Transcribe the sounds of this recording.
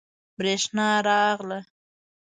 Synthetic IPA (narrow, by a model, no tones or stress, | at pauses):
bɾeʃnɑɾɑɣlə